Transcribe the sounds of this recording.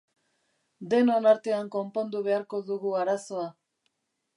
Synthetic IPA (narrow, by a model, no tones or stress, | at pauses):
d̪e̞no̞naɾt̪e̞aŋko̞mpo̞nd̪uβe̞aɾko̞ðuɣuaɾaso̞a